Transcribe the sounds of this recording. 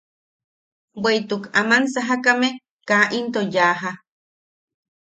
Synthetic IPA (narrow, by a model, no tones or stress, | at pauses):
wejt̪ukamansaɦakame | kaʔint̪ojaːɦa